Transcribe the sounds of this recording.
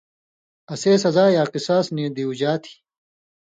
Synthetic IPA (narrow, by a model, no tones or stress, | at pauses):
ɐseːs̬ɐzaːjaːqisaːsniːd̪iud͡ʑaːt̪ʰi̥